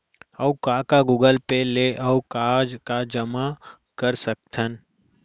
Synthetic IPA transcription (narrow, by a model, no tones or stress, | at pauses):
əwkaːkaɡuːɡəlpeleʔəwkaːd͡ʒkad͡ʒəma | kəɾsək̚t̪ʰən